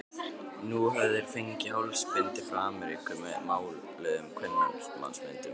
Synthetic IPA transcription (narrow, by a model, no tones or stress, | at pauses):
nuɦavðɪɾ̥feɲcɪhawlspɪnt̪ɪfɾaːmɛɾḭkʰʏmɛ̰ðmaːwl | lɛːðʏmkʰvɛnːa̰nsma̰nsmɪnt̪ɪ